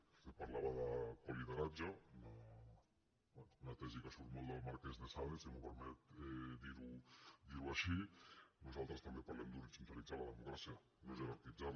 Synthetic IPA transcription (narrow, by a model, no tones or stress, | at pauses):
epaɾlaβaðəkoliðəɾad͡ʒauna | bɛnuunat̪ɛzikasuɾt̪molˠd̪əlˠmaɾkɛznesaβesimupəɾmɛt̪ɛd̪iɾud̪iɾuaʃinuzalˠt̪ɾəst̪ambepaɾlɛmd̪uɾit͡sunt̪alid͡zaɾlaðəmukɾasia | noezeβaɾt̪id͡zaɾ